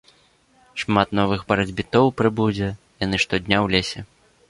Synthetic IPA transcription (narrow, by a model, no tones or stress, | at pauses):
ʂmat̪nɔvɨɣbɐɾɐd͡zʲbʲit̪ɔwpɾɨbud͡zʲɛ | janɨʂt̪ɔd̪ʲnʲawlʲesʲɛ